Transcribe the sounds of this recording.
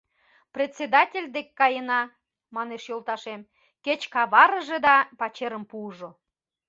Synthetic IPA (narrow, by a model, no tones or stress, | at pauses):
prʲet̪ʲsʲed̪ɑtʲelʲd̪ekːɑjənɑ | mɑneʃjolˠt̪ɑʃem | ket͡ɕkɑβɑɾəʒed̪ɑpɑt͡ɕeɾəmpuʒo